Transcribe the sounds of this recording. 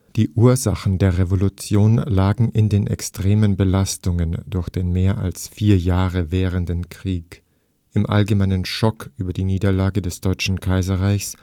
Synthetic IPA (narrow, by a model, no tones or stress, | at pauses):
d̥iːʔuːɐzaxn̩deːɐʁevolut͡sjoːnlaːɡŋ̩ʔɪndeːnʔɛ̰kstʁ̥eːmənbəlastʊŋəndʊɐçd̥eːnmeːɐʔa̰lsfiːɐjaːʁəvɛːʁ̞əndənkʁ̥iːk | ʔɪmʔa̰lɡəmaɪnənʃɔkʰʔyːbɐdiːniːdɐlaːɡədɛsd̥ɔʏt͡ʃn̩kʰaɪzɐʁaɪçs